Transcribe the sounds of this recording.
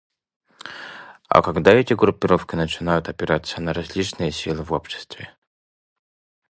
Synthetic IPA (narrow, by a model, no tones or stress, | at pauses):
a̰kaɡd̪aɛtʲɪɡɾʊpʲːɪɾofkʲɪnət͡ɕɪnajʊt̪ɐpʲɪɾat̪sənəɾɐzʲlʲit͡ʃnɨjəsʲilˠɨvopɕɪ̥st̪vʲɪ